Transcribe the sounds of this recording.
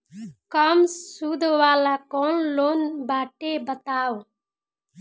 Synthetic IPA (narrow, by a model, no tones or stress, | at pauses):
kəmsuːd̪ʱʋaːlaːkɔːnloːnbaːʈebət̪aːw